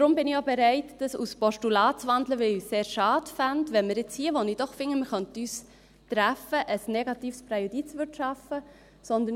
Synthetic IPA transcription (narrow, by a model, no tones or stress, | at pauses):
d̥ɾʊmbɪnɪjobɛɾæɪtd̥əsṵspɔʃtulɑːt͡sʋɑnd̪ləʋɪlyːseːɾʃɑːd̥fændʋɛnməɾjɪt͡shiːəʋonid̥ɔχfɪŋːəməχœntəyːs | t̪ɾæfəʔəsnɛɡɑt̪iːfspɾajod̥it͡svʏtʃɑfə | sɔnd̪ən